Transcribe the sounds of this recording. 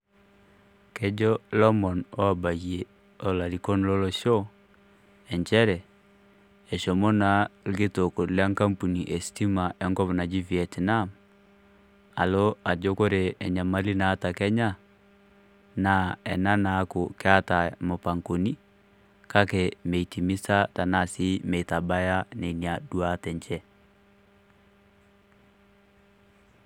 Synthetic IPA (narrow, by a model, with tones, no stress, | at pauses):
ke˦d͡ʒɔ˦lɔ˦mɔ˨nɔ˦a˨ba˨ɣie˨ | ɔ˨la˨li˨kɔ˦n˦lɔ˦lo˦ʃɔ˦ | ɛ˨ɲt͡ʃɛ˦ɾɛ˨ | ɛ˨ʃɔ˨mo˦na˨˦ɡe˦to˨ko˨la˦ŋka˦mpu˨ni˨ʔɛ˨sti˦ma˨ʔɛ˦ŋɡɔ˦βɔ˨na˨d͡ʒi˦vi˨ɛ˨tna˦m | a˨lo˦a˨d͡ʒo˦ko˦ɾe˨ɛ˨ɲa˨ma˦li˦naː˨˦ta˨kɛ˦ɲa˦ | na˨ɛ˨na˦na˨˦ko˨ke˦a˦ta˨mo˨pa˨ŋko˨ni˦ | ka˦kɛ˨mɛ˨i˨ti˨mi˦sa˦ta˨na˦˨si˦mɛ˨i˨ta˨ba˦ja˦nɛ˨ni˨a˨du˦a˦tɛ˨ɲt͡ʃɛ˦